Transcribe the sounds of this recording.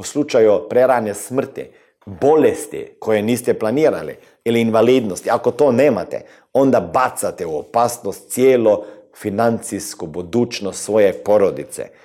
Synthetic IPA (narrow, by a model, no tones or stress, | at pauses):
uslut͡ʃajupɾeɾaːnesmr̩t̪ḭ | bolest̪ḭkʰojeniːst̪ɛplaniːɾa̰lḭ | iliːnʋaliːd̪nost̪iakot̪oneːmat̪ɛ̰ | ond̪abat̪sat̪ɛuopaːsnost̪̚sjeːlofinant̪siskubud̪uːt͡ʃnost̪sʋojepoɾod̪it̪sɛ̰